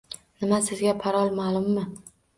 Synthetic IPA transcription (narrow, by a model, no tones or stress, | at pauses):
nɪmasɪzɡʲapʰaɾɒlˠmalˠʊmːɪ